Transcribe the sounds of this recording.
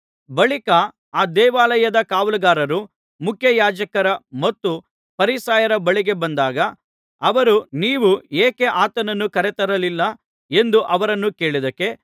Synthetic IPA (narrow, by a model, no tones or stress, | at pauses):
bɐɭikɐ | aːd̪ɛːʋaːlɐjɐd̪ɐkaːʋɐlɐɡaːɾɐɾu | mukʰjɐjaːd͡ʒɐkɐɾɐmɐt̪ːu | pɐɾisaːjɐɾɐbɐɭiɡe̞bɐnd̪aːɡɐ | ɐʋɐɾuniːʋueːke̞ʔaːt̪ɐnɐnːukɐɾɛt̪ɐɾɐlilːɐ | e̞nd̪uʔɐʋɐɾɐnːuke̞ːɭid̪ɐkːe̞